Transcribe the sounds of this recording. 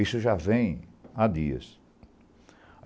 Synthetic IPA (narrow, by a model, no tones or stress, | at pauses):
isʊʒavẽj̃ad̪iɐ̰s